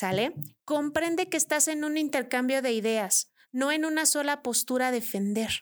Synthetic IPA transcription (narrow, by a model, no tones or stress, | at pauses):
saleko̞mpɾe̞nd̪e̞ke̞ːst̪ase̞nũnint̪e̞ɾkambjo̞ðe̞iðe̞as | no̞e̞nũnaso̞lapo̞st̪uɾaðe̞fe̞nd̪e̞ɾ